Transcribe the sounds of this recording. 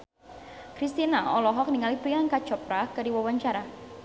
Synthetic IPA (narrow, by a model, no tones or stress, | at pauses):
kɾist̪inaɔlɔɦɔk̚niŋalipɾiaŋkat͡ʃɔpɾakadiwawaɲt͡ʃaɾa